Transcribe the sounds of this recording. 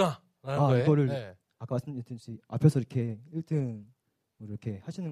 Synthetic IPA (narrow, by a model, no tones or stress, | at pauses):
a | aiɡʌɾɯɭ | ak͈amas͈ɯmtɯnɕʰia̰pʰesʰʌiɾʌkʰe̞iɭt͈ɯŋ | mʌiɾʌkʰe̞haɕʰinɯ